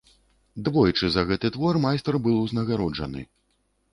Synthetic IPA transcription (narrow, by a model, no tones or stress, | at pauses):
d̪vɔjit͡ʂɨzɐɣɛt̪ɨt̪vɔrmajst̪rbɨlˠuwznɐɣaɾɔd͡ʐɐnɨ̰